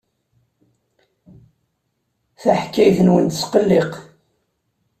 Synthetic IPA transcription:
θaħkːæjθənwənt̪əsqəlːɪq

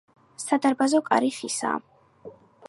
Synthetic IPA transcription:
sad̪aɾbazɔkʼa̰ɾiχisa̰

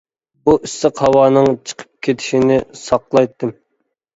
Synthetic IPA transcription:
buʔisɨqhɑwɑːnɨŋt͡ʃʰə̥qʰə̥p̚kʲʰet̪ʰɪ̥ʃinɪsɑqlˠɑjt̪ːɨm

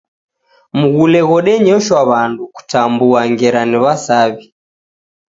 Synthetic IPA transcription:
muɣulɛɣɔɗɛɲɔʃwaβanduku̥tambuaŋɡɛɾaniβasaβi

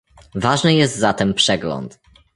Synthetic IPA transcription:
vaʐnɘjɛst̪zat̪ɛmpʂɛɡlɔ̰nt̪

